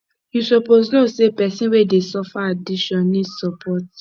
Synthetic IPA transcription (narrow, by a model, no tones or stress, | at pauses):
jusɔpoznosepɛsĩnwedesɔfaadiʃɔ̃nnːĩsɔpʰɔt